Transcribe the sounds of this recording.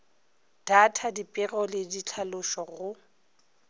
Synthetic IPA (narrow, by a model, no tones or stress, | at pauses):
d̥atʰadipʼɪrɔlɪdit͡ɬʰalʊʃɔɣʊ